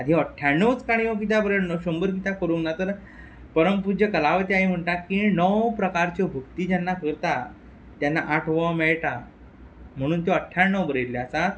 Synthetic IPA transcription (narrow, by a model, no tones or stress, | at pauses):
ad̪ʱiəʈʰːjanːəwt͡skaɽ̃iõk̬it̪̬abəɾeɭnəɕombəɾk̬it̪akəɾuŋɡnat̪əɾ | pəɾəmpud͡ʑjəkəlaʋət̪iaɦim̤əɳʈakinəwpɾəkaɾt͡ɕebʱukt̪iːd͡ʑanːakəɾt̪a | t̪janːaʔaʈʰʋəmeɭʈa | m̤əɽ̃uːnt̪eəʈʰːjaɳːəwbəɾelːeəsat̪̚